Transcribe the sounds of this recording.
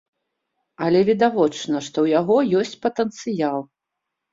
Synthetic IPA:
ɐlʲɛvʲid̪avɔt͡ʂnɐʂt̪ɔwjaɣɔjɔsʲt͡sʲpɐt̪ənt̪sɨjalˠ

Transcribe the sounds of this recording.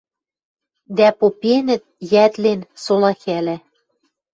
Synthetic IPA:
d̪æpopenɘ̆t̪̚jæt̪lensolˠɑxælæ

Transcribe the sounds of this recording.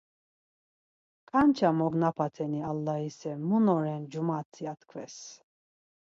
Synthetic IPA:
kʼant͡ʃʰamɔɡnapʰat̪ʰɛnialːahisɛmunɔɾɛnd͡ʒumat͡sʰijat̪kʰvɛs

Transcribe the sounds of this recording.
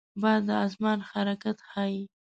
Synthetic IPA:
bɑjad̪ːəɑzmɑnxaɾakat̪xɑji

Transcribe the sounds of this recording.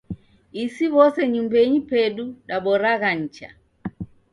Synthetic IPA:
isiβɔsɛɲumbɛɲipɛɗuɗaɓɔɾaɣaɲ̩t͡ʃa̰

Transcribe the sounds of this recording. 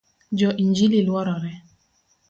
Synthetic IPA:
d͡ʒɔʔiɲd͡ʒililwaɾaɾɛ

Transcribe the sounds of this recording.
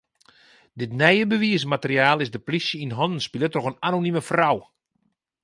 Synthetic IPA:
dɪtnɛjəbəʋiəsmatərjaːlˠɪzdəplisjəinɦɔnn̩spilətrɔxənanoniməfraw

